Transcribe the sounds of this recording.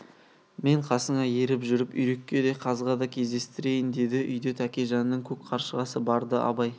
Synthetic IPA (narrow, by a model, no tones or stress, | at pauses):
me̞ɴqʰɑsəɴɑje̞ɾɪpʒʏɾɪpʏjɾe̞kʲːe̞d̪e̞qʰɑzʁɑd̪ɑkʲʰe̞zd̪e̞st̪ɪɾe̞jɪnd̪e̞d̪ɪʔʏ̰jd̪e̞t̪ʰækʲe̞ʒɑnnːəɴkʲʰɵk̚qʰɑɾʃəʁɑsəbɑɾd̪əʔɑ̰bɑj